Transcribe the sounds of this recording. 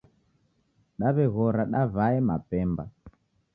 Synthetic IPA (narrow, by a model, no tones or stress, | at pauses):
ɗaβɛɣɔɾaɗavaɛma̰pɛmba̰